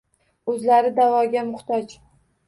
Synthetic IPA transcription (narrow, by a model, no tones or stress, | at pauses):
ɵzlaɾɪd̪avɒɡʲamʊχt̪ɒt͡ʃ